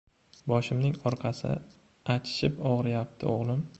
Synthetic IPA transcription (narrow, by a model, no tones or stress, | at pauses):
bɒʃɪmnɪŋɒɾqʰɑsɪ̰ | at͡ʃʰɪ̥ʃɪpɒʁɾɪjap̚t̪ʰɪ̰oʁlˠɪm